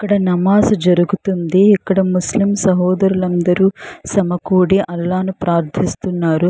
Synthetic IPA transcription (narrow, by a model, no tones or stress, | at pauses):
ɐkːɐɽɐnɐmaːsɐd͡ʒɐɾuɡut̪und̪iːkːɐɽɐmuslimsɐɦɔːd̪ɐɾulɐnd̪ɐɾuːsɐmɐkuːɽiʔɐlːaːnupɾaːɾt̪ʰist̪unːaːɾu